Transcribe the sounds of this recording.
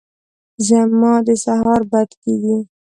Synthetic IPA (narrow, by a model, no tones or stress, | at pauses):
ʒamːɑd̪əsaɦɑɾbad̪keɡi